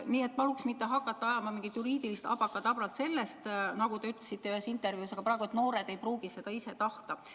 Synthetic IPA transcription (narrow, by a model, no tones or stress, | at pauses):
niːe̞t̪̚pɑluksmit̪ːe̞ɦɑkːˑɑt̪ːɑɑjɑmɑmiŋɡit̪ːjuɾiːd̪̥ilist̪ɑ̰bɑkːɑt̪ɑbrɑlt̪se̞lːest̪nɑɡ̥ut̪e̞yt̪ːˑlesit̪ːe̞yhe̞sint̪ːˑe̞rvjuːsɑɡ̥ɑpɾɑːˑeɡ̥ue̞t̪no̞ːɾe̞d̪̥e̞jpruːɡ̥isse̞d̪̥ɑise̞t̪ɑht̪ɑ